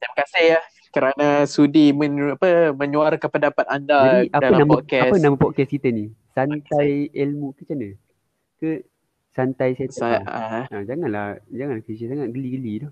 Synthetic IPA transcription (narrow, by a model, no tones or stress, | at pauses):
t̪ajmakasɪhja | kəɾanasudimə̃apəmə̃ɲũaɾkanpəndapat̪andad͡ʒaiʔadanãmpakɛapənamapɔt̪̚kɛskit̪əni | sant̪ajɛlmukət͡ʃanə | kə | sant̪ajset̪aaad͡ʒaŋãnlahd͡ʒaŋanlahkisəsaŋat̪̚ɡəliɡəlidɔ